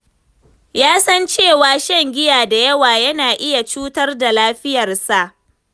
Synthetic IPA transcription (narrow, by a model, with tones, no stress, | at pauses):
jaː˦sɐ˦nt͡ʃeː˦˨waː˨ʃɛ˦ŋɡʲɪ˦jaː˨da˨jɐ˦waː˨jɐ˦naː˨ʔɪ˦ja˨t͡ʃuː˦tɐ˦rda˨laː˦ɸɪ˦jɐ˨rsa˨ʔ